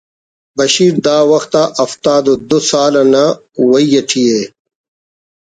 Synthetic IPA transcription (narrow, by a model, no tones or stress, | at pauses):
bɐɕiːɾd̪aːwɐxt̪aʔɐft̪aːd̪od̪usaːlɐnawɐijɐʈʰie